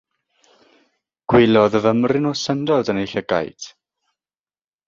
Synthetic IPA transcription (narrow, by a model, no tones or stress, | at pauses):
ɡ̥wɪlɔðəvəmrɪnɔsəndɔdənejɬəɡa̰jtʰ